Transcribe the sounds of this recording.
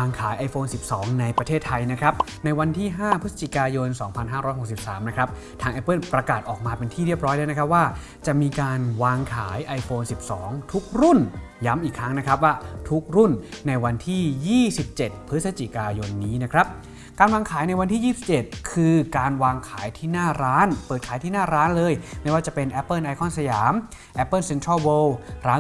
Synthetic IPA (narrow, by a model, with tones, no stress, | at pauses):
aː˧ŋkʰaː˩˦jʔa˧jfoː˧nsi˨˩p̚sɔː˩˦ŋna˧jpɾa˧t̪ʰeː˥˩t̪ʰːa˧jna˦˥kʰɾa˦˥p̚ | na˧jwa˧nt̪ʰiː˥˩ɦaː˥˩pʰɯ˦˥sa˧t͡ɕi˨˩kaː˧jo˧nsɔː˩˦ŋpʰa˧nɦaː˥˩ɾɔː˦˥jɦo˨˩k̚si˨˩p̚saː˩˦mna˦˥kʰɾa˦˥p̚ | t̪ʰaː˧ŋʔɛ˦˥pːɤ˥˩npɾa˧kaː˨˩t̪̚ʔɔː˨˩k̚maː˧pe˧nt̪ʰiː˥˩ɾi˥˩p̚ɾɔː˦˥jla˦˥na˦˥kʰɾa˥waː˥˩ | t͡ɕa˨˩ʔmiː˧kaː˧nwaː˧ŋkʰaː˩˦jʔa˧jfoː˧nsi˨˩p̚sɔː˩˦ŋt̪ʰu˦˥k̚ɾu˥˩n | ja˦˥mʔiː˨˩kʰɾa˦˥ŋna˦˥kʰɾa˦˥p̚waː˥˩t̪ʰu˦˥k̚ɾu˥˩nːa˧jwa˧nt̪ʰiː˥˩jiː˥˩si˨˩p̚t͡ɕe˨˩t̪̚pʰɾɯ˦˥sa˧t͡ɕi˨˩kaː˧jo˧nːiː˦˥na˦˥kʰɾa˦˥p̚ | kaː˧nwaː˧ŋkʰaː˩˦jna˧jwa˧nt̪ʰiː˥˩jiː˥˩si̥˨˩p̚t͡ɕe˨˩t̪̚kʰɯː˧kaː˧nwaː˧ŋkʰaː˩˦jt̪ʰiː˥˩naː˥˩ɾaː˦˥npəɤː˨˩t̪̚kʰaː˩˦jt̪ʰiː˥˩naː˥˩ɾaː˦˥nlɤː˧jma˥˩jwaː˥˩t͡ɕa˨˩pe˧nʔɛ˦˥pːɤː˥˩nʔa˧jkʰɔ˥˩nsa˧jaː˩˦m | ʔɛ˦˥pːɤː˥˩nse˧nt̪ʰɾɔ˥˩wɤː˧wɾaː˦˥